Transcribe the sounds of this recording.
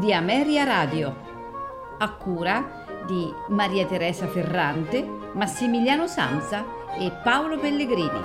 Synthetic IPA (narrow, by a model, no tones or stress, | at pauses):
d̪iamɛːɾjaɾaːd̪jo | akːuːɾa | d̪i | maɾiːat̪eɾɛːsaferːant̪e | masːimiljaːnʊsa̰nt̪sa | ɪpːaolopelːeɡɾiːnḭ